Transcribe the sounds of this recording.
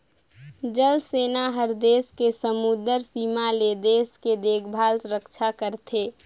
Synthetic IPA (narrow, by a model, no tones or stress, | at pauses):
d͡ʒəlseːnaɦəɾd̪eːskesəmud̪əɾsiːmaled̪eːsked̪eːkʰbʱaːlsɾəkt͡ʃʰakəɾt̪ʰeː